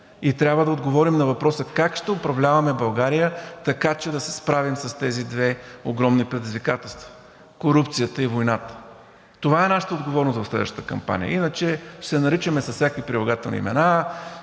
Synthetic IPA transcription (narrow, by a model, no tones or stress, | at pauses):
it̪ɾʲabvəd̪ɐod̪ɡovɔɾimnɐvɐpɾɔsəkakʃt̪ɛʊpɾɐvlʲavɐmɛbɐlˠɡaɾijət̪ɐkat͡ʃɛd̪ɐsɛ̥spɾavimsɐst̪ɛzid̪vɛoɡɾɔmnipɾɛd̪izvikat̪ɛlˠst̪və̥ | koɾupt̪sijət̪əivojnat̪ə̥ | t̪ovaɛnaʃə̥t̪əod̪ɡovɔɾnʊst̪vɐfslɛd̪vəʃt̪t̪əkɐ̰mpa̰nʲḭjə̰inət͡ʃɛsɛnɐɾit͡ʃəmɛsɐsːsʲakvipɾilˠɐɡat̪ɛlˠnḭmɛ̰na